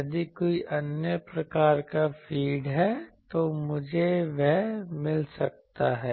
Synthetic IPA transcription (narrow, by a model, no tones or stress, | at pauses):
jɐd̪ikoːiʔɐnjəpɾɐkaːɾkafʰiːɖɦɛt̪omʊd͡ʒʱeʋɛɦmɪlsɐk̚t̪aɦɛː